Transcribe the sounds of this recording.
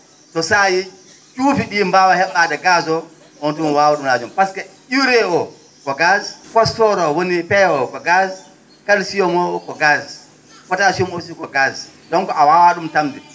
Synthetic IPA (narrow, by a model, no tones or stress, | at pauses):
tɔsaji | t͡ʃuːfiɗimbawahɛɓːadaɡaːzɔ | wɔntumwawaɗumlaːd͡ʒumpaska | iwɾɛʔɔ | kɔɡazkastɔɾɔwonipɛɔkɔɡaz | kalsijɔmɔkɔɡaz | kɔtasiɔmofsikɔɡaz | dɔŋkɔʔawawaɗumtamdi